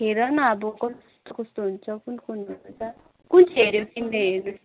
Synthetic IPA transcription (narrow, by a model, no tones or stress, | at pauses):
ɦeɾʌnʌːbʌkʌst̪okʌst̪oɦunt͡sʰʌkunkunɦunut͡sʰʌ | kunt͡sʰɦeɾjot̪imleɦernu